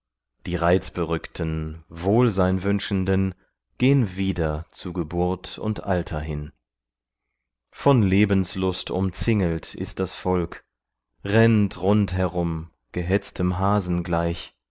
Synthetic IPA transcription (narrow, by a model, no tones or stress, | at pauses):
d̥iːʁaɪt͡sb̥əʁʏktʰən̩voːlzaɪnvʏnʃn̩dən | ɡ̥eːənviːdɐt͡suːɡəbʊɐtʰʊ̰ntʔaltʰɐɦɪn | fɔnleːbən̩slʊstʰʊ̰mt͡sɪŋəltɪ̰st̚d̥asfɔlk | ʁɛntʁʊnthɛʁʊm | ɡ̥əɦɛt͡stʰəmɦaːzn̩ɡlaɪç